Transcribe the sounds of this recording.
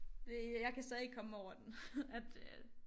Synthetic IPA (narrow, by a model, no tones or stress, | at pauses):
d̥ejɑ̈ɪkʰæsɛðˠeɡ̥̚kʰɒ̽mɒʊ̰ɐd̥enæd̥